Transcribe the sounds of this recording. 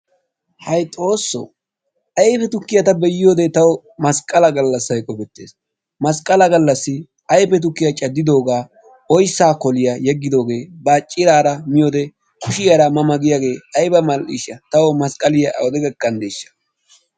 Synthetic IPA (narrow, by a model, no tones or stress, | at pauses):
hɐjt̪ʼo̞ːsːɔ̰ | ʔɐjfɛt̪ʊkːɪjɐt̪ɐbɛjɪjo̞ːd̪ɛt̪ɐwɔ | mɐskʼɐlɐɡɐlːɐsɐjkʼɔpɛt̪ːḛːs | mɐskʼɐlɐɡɐlːɐsːɪ | ʔɐjpɛt̪̬ʊkːɪjat͡ʃʼɐd̪ːɪd̪o̞ːɡaː | ɔjsːaːkɔlɪjajɛɡːɪd̪o̞ːɡe̞ːbaːt͡ʃʼːɪɾaːɾɐmɪjoːd̪ɛ | kʊʃɪjaɾɐmɐmɐɡɪjaɡe̞ːɐjbɐmɐlɪ̰ʃɐt̪ɐwɔmɐskʼɐlɪjɐʔɐ̰wɔd̪ɛɡɐkːɐnd̪eːʃːɐ̥